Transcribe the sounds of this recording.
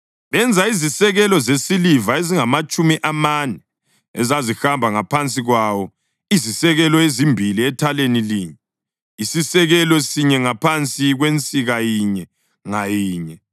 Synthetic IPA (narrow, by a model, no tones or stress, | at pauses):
βɛnd͡zʱaizisɛɣɛlɔzesilivaeziŋamat͡ʃʼumiʔamanɛ | ɛ̰zazihambʱaŋapʰant͡sʼiɣwawɔ | izisɛɣɛlɔezimbʱiliɛtʰaleniliːɲɛ | isisɛɣɛlɔsiɲɛŋapʰant͡sʼiɣwent͡sʼiɣajiɲɛ | ŋajiːɲɛ